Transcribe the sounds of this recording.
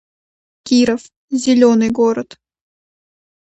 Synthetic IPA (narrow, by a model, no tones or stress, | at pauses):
kʲiɾəf | zʲɪlʲonɨjɡoɾət̪